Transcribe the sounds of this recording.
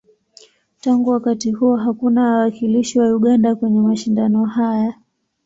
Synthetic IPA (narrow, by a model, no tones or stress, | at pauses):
taŋɡuwakatihuɔɦakunawakiliʃiwauɠandakwɛɲɛmaʃindanɔhaja